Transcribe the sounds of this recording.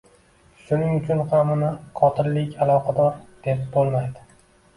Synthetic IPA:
ʃʊnɪŋʊt͡ʃʰʊnχamʊnaqʰɒt̪ʰɪllɪkʲʰalˠɒqʰɑd̪ɒɾd̪̥epbolˠmajd̪ɪ

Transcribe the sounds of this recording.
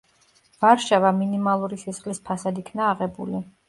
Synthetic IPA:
v̥aɾʃavaminimalˠuɾisɛsχlispʰasad̪ikʰnaːʁɛbṵli

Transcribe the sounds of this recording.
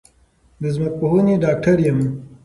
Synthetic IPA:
d̪əzmɐk̚poɦuniɖaːk̚ʈʰɐɾjɐm

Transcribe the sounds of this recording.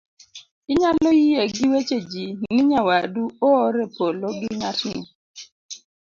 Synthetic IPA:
ɪɲalɔjijeɡɪwet͡ʃed͡ʒinɪɲawaduoːɾɛpoloɡɪɲatni

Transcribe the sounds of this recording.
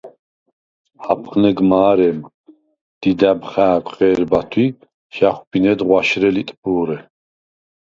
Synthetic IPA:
hapʰχnɛɡmaːɾɛm | d̪̥id̪æbχaːkʷʼχʼɛːɾbat̪ʰwi | ʃaχwbinɛd̪ʁwaʃɾɛlit̪ʼpʼuːɾɛ

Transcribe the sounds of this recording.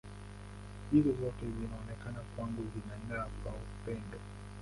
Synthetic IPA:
ʄilizɔtɛzinaɔnɛkanakwaŋɡuzinan̩aavaupɛnda

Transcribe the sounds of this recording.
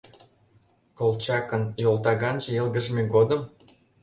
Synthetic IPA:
kolˠt͡ɕɑkɤ̆njolˠt̪ɑɣɑnʒĕelɡə̆ʒmʲeɡod̪ə̆m

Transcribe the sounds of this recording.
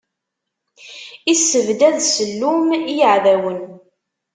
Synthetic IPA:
isːəvd̪æðsəlːumijəʕðæwən

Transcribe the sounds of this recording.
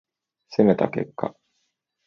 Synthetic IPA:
seme̞t̪ake̞̰kːa̰

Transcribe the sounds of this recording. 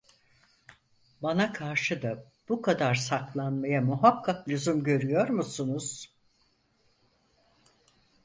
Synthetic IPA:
banakʰaɾʃɯd̪a | b̥ukʰad̪aɾsaklˠanmajamuɦakʰːakʎuzumɟø̞ɾyjo̞ɾmusunuz̥

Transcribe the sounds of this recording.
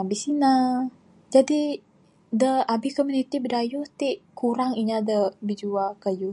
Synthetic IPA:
abisina | d͡ʒadi | dəabikomunit̪ibədajʊht̪iʔkʰuɾaŋiɲadəbid͡ʒuakajuh

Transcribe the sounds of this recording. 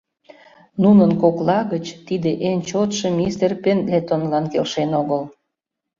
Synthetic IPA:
nunənkoklɑɣət͡ɕt̪id̪eʔent͡ɕot̪ʃemʲist̪erpenlet̪onlɑnkelʃenoɣəl

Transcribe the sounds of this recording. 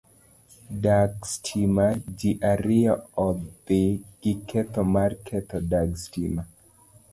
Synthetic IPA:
daɡstʰimad͡ʒiʔaɾɪɔɔdɪɡ̥ɪkʰɛt̪ɔmarkʰɛt̪ɔdaɡstima

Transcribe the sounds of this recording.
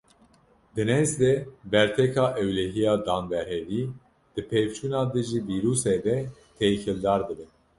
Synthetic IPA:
d̪ɨnɛzd̪ɛbɛɾt̪ʰɛkʰɑːʔɛwlɛɦijɑːd̪ɑːnbɛɾhɛd̪iː | d̪̥ɨpʰeːvt͡ʃʰuːnɑːd̪ɨʒiːviːɾuːsed̪ɛt̪ʰekɨld̪ɑːɾd̪ɨbɛn

